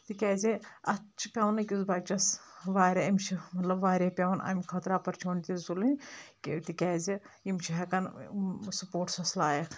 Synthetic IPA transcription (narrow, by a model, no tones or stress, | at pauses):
t̪ikʲɛːziɐt̪t͡ʃʰi̥pʲɐʋnɐkʲizbaːt͡ʃɐsʋaːɾʲeimt͡ʃʰimɐt̪lɐbʋaːɾʲepʲɐʋnʔa̰ːmʲkʰɐt̪ɾaːpɐɾt͡ʃʰoːnt̪ʲizulinʲkʲḭt̪ikʲɛːzʲi | imt͡ʃʰiɦɐkɐnsupoːʈsɐslaːjɐk